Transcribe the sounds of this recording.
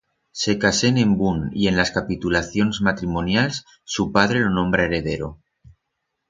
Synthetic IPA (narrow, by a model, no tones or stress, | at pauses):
se̞kasene̞mbunḭe̞nlaskapit̪ulaθjo̞nzmat̪ɾimonjals | supað̞ɾe̞lo̞nõ̞mbɾaeɾe̞ð̞e̞ɾo